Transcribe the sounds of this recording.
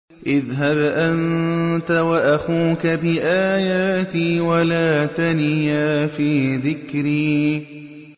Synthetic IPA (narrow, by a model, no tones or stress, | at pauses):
ʔɪðɦabʔant̪awaʔaxuːkabɪʔaːjaːt̪iːwalaːt̪anɪjaːfiːðɪkɾiː